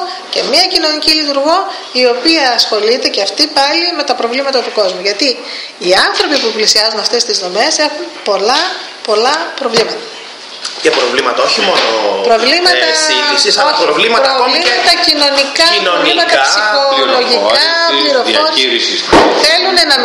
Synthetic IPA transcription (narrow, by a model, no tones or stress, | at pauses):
ce̞̰miɐcino̞nicilit̪uɾɣo̞ | io̞piɐːsxo̞lit̪e̞ceɐft̪ipɐlime̞t̪ɐpɾo̞vlimɐt̪ɐt̪uko̞zmuʝɐt̪i | iɐnθɾo̞pipuplisiɐzunɐft̪e̞st̪izno̞me̞se̞xunpo̞lɐ | po̞lɐpɾo̞vlimɐt̪ɐ̥ | cɐpɾovlimɐt̪ɐoçimono̰pɾo̞vlimɐt̪ɐsoɾovlimɐɾovliɐt̪ɐcino̞nikɐɾovimɐt̪ɐpssioloʝikɐ | liɾofoɾsissθelunenɐ